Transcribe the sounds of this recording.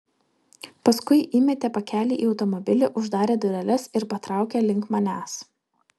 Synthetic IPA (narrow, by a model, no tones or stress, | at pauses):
pɐskʊɪʔiːmʲɛt̪ʲepɐkʲæːlʲiːʔiːɒʊt̪ɔmɔbʲɪlʲɪʔʊʒd̪ɑːɾʲeːd̪ʊɾʲɛlʲɛsɪɾpɐt̪ɾɑˑʊkʲɛːlʲɪŋˑkmɐnʲæːs